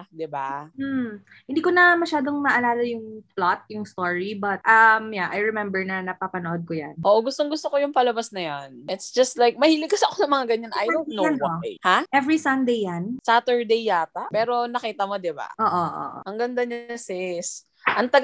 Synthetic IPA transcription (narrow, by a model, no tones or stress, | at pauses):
d̪ɪba̰m̩ | hɪnd̪iːkonɐmɐʃaːd̪oŋmɐʔɐlaːlɐjʊŋplat̪̚jʊŋst̪oɹibɐt̪̚ʔɐmjaʔajɹɛmɛmbɛɹnɐnɐpapɐnoʔod̪̚kojanʔoːʔoɡʊst̪oŋɡʊst̪okojʊŋpɐlɐbasnɐjanʔɪt̪sd͡ʒɐst̪lajk̚mɐhiːlɪkɐsɐɐkonɐŋmɐŋaɡɐɲanʔajonoojhaʔɛvɹisɐnd̪ejːansat̪ɛɹd̪ejːaːt̪ɐpɛːɾo̞nɐkiːt̪ɐmo̞d̪ɪba̰ʔoːʔoʔo̰ʔɐŋɡɐnd̪ɐɲsɪs | ʔɐŋt̪ɐɡ